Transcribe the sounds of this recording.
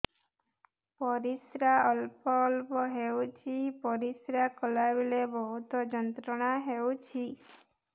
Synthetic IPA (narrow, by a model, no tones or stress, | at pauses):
pɔɾisɾaəlpɔːlpɔɦewt͡ʃʰipɔɾisɾakɔlabilebɔɦut̪ɔd͡ʒɔnt̪ɾɔɽ̃aɦeut͡ʃʰi